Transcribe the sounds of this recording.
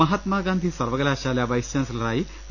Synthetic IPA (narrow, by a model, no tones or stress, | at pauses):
ɐɦat̪maːɡand̪ʱiːsɐɾʋəɡɐlaːɕaːljaʋɐjsjanslɐɾaːi